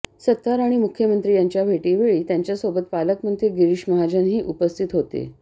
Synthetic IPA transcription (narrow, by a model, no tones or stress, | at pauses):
sət̪ːaɾaɽ̃imukʰjəmənt̪ɾiːjaɲt͡ɕjabʱeʈiʋeɭiːt̪jaɲt͡ɕjasobət̪̚paləkməd̪ʰʱeɡiɾiʂməɦad͡ʑənɦiːʔupəst̪ʰit̪ɦot̪ḛ